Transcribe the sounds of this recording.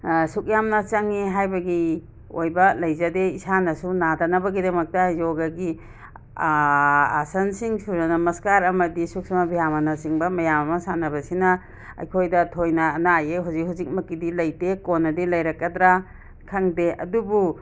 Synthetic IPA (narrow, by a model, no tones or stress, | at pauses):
suk̚jamnɐt͡ʃaŋːiɦajbɐɡi | ojbɐlɐjzɐdeisanɐsunadɐnɐbɐɡidɐmɐk̚tɐjoɡaɡi | a̰sɐnsiŋsuɾnɐnɐmɐskaɾɐmɐdisuk̚samɐbijamɐnɐsiŋbɐmɐjamɐmɐsanɐβɐsinɐ | ɐ̰jkʰojdɐtʰojnɐːnajeɦuzik̚ɦuzik̚mɐkːidilɐjtekonːɐdilɐjɾɐkːɐdɾa | kʰaŋdeʔɐ̰dubu